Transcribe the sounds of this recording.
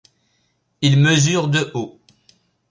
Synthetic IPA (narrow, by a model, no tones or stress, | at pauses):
ilməzyʁd̪əʔo